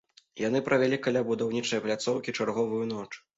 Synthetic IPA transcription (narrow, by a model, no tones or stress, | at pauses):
jan̪ɨpɾɐvʲalʲikalʲabud̪awnʲit͡ʂɐjplʲat̪sɔwkʲit͡ʂarɣɔvujunɔt͡ʂ